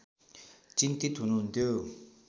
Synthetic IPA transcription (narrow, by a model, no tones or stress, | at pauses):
t͡ɕint̪it̪ʰunund̪ø